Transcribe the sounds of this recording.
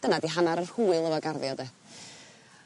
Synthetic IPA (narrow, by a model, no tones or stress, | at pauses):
d̥ənadiɦanaɾər̥huːɨlˠəvɔɡarðjɔdɛ